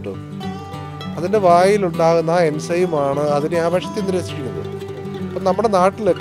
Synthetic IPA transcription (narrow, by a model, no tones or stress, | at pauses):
ʈːɨ̰ | ɐðinde̞ʋaːjiluɳɖaːɣunːae̞nsɐjumaːɳɨɐðineaːbʱɐɕɐt̪ːenːiɾeːsiɾikʲːunːɐð | ɐpːoːnɐmːuɽenaːʈːilekː